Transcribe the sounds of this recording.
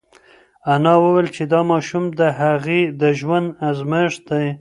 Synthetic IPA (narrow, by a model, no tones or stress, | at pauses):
anɑwəwelt͡ʃed̪ɑmɑʃumd̪əɦaɣed̪əʒwand̪azməʒd̪aj